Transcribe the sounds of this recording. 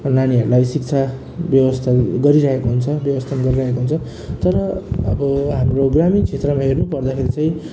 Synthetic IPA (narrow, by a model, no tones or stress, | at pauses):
naniɦʌɾulajsik̚t͡sʰa | bjʌbʌst̪ʰaɡʌɾiɾʌɦekoɦunt͡sʰʌbjʌbʌst̪ʰanɡʌɾiɾʌɦekoɦunt͡sʰʌ | t̪ʌɾʌʌbʌɦamroɡramint͡sʰet̪rʌmaɦernupʌrd̪akʰeɾit͡saĩ